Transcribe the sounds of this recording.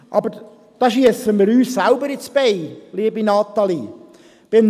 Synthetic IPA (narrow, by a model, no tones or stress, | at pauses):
ʔɑ̰bəɾ | d̥ɑːʃiəsəməɾyːssælbəɾɪt͡sb̥ɛɪliəbinɑt̪ːɑli | b̥ɪn